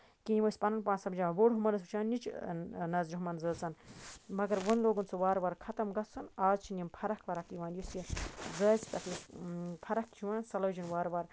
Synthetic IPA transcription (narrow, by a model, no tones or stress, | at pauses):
kinimɐsʲpɐnɐnpaːnsɐmd͡ʒaːʋoɽɦumɐnɐs̬ut͡ʃʰaːnnit͡ʃʰnɐzɾiɦumɐnzəːt͡sɐnmɐɡɐɾʋɐnloːɡunt͡sʰɨʋaːɾʋɐɾkʰɐt̪ɐmɡɐt͡sunaːzt͡ʃʰinimpʰɐɾɐkʰʋɐɾɐkiʋãːnjusjizəːz̥ʲt̪ɐkʰlɐspʰɐɾɐkt͡ʃʰiwãːnsɐlɐːd͡ʒinʋaːɾʋaɾ